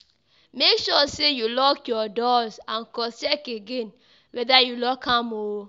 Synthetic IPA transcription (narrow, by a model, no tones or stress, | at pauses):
mekʃɔsejulɔkjɔdɔzãnkɔst͡ʃɛkeɡen | wɛðajulɔkʰamo